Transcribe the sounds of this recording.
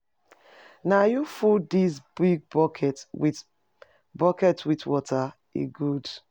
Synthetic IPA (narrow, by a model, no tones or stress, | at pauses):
najufudis̬biɡ̚bɔkɛtwi | bɔkɛtwitwɔtʰa | ḛɡud